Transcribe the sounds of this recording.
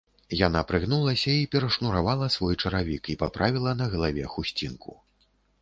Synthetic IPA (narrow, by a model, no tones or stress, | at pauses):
janapɾɨɣnulˠɐsʲɐipʲɛɾɐʂnuɾavalˠɐsvɔjt͡ʂɐɾavʲikipa̰pɾʔavʲilˠɐnɐɣɐlˠavʲɛxusʲt͡sʲinkʰṵ